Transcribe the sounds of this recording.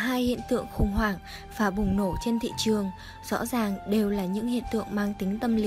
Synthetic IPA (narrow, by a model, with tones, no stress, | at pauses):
ɦaː˧jhḭ˧˨ənt̪ɨ̰˧˨əŋxʊ̰˧˩ŋ͡mɦwaː˧˩ŋ | vaː˨˩ɓʊ˨˩ŋ͡mno˧˩t͡ɕe˧nt̪ʰḭ˧˨t͡ɕɨ˨˩əŋ | z̥ɔ̰˧˥zaː˨˩ŋɗe˨˩wlaː˨˩ɲɨ̰˧˥ŋhḭ˧˨ənt̪ɨ̰˧˨əŋmaː˧ŋt̪ï˨˦ŋ̟t̪ə˧mli˧